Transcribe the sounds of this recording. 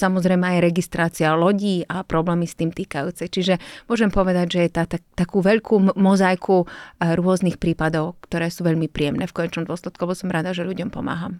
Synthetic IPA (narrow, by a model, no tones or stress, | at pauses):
samɔzɾɛjmɛajɾɛɡist̪ɾaːt͡sialɔɟiːapɾɔblɛːmist̪iːmt̪iːkajuːt͡sɛt͡ʃiʒɛmʊɔʒɛmpɔʋɛd̪aɟʒɛjɛt̪at̪at̪akuːʋɛʎkʰuːmɔzajkʰuɾʊɔznixpɾiːpad̪ɔʊkt̪ɔɾɛːsuːʋɛʎmipɾiɛmnɛːfkɔɲɛt͡ʃnɔmd̪ʊɔslɛt̪̚kuɛbɔsɔmɾad̪aʒɛʎuɟɔmpɔma̰ːɦam